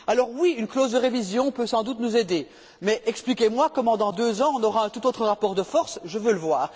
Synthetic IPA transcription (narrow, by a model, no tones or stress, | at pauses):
alɔʁwiynklozd̪əʁevizjɔ̃pøsɑ̃d̪ut̪nuzed̪e | mɛʔɛksplikʲemwakɔmɑ̃d̪ɑ̃d̪øzɑ̃ɔ̃nɔʁaɛ̃t̪ut̪ot̪χəʁapɔʁd̪əfɔʁsʒəvøləvwaːʁ